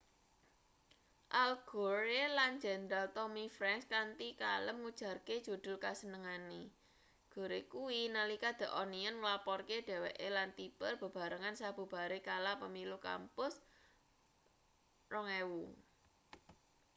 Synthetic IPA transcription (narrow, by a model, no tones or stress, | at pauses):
ʔalɡ̥o̤ɾeland͡ʒɛ̤nd̪ɾalt̪ɔmifɾɛŋskant̪ikaləmŋud̥ʒ̥ä̤rked̥ʒ̥ṳd̪̥ʊ̤lkasənəŋane | ɡ̥o̤ɾekuwinalikad̪̥ə̤ʔɔniənŋəlapɔrked̥ɛ̤weʔelant̪ipərb̥ə̤b̥a̤ɾəŋansab̥ṳb̥a̤ɾekalapəmiluka̰mpʊs | rɔŋewu